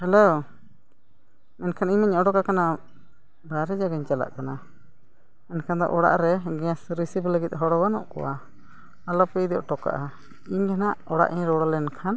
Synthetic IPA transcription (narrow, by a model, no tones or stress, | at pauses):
hɛlo | mɛnkʰaniɲmaɲɔɖɔkakana | baɾɛd͡ʒaɡaɲt͡ʃala̰ʔkana | mɛnkʰand̪ɔ̰ʔɔɽa̰ʔɾɛɡɛãsɾisipləɡit̪̚ˀɦɔɽɔɡanɔ̰ʔkɔ̰wa̰ | alɔpɛid̪ɔʔʈɔka̰ʔa | iɲɡanaʔɔɽa̰ʔiɲɾɔɽɔlɛnkʰan